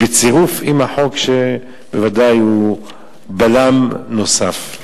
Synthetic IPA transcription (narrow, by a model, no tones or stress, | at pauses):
bet͡siʁufimaħo̞kʃe | bevad̪aju | balamno̞saf